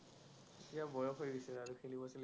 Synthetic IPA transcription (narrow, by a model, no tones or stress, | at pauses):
etiabɔjɔkɦojɡisɛaɹukʰelibɔsɛl